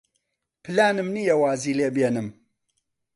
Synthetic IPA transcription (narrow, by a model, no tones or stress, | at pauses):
pɨlaːnɨmnijɐwaːziːleːbjeːnɨm